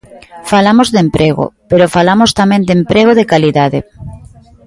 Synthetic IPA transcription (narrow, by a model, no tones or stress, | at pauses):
falamozðempɾeɣo̰peɾofalamost̪amẽnd̪empɾeɣ̞oðekaliðaðe